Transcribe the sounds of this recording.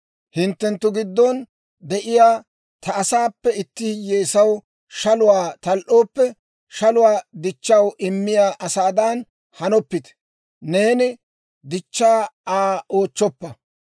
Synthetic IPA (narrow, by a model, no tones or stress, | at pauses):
hɪnt̪ːɛnt̪ːʊɡɪd̪ːɔn | d̪ɛʔɪjaː | t̪ɐːsaːpːɛɪt̪ːɪjeːsɐw | ʃɐlʊwaːt̪ɐlʔo̞ːpːɛ | ʃɐlʊwaːd̪ɪt͡ʃːɐwɪmːɪjaːʔɐsaːd̪ɐn | hɐnɔpːɪt̪ | ne̞ːnɪ | d̪ɪt͡ʃːaːaːo̞ːt͡ʃːɔpːɐ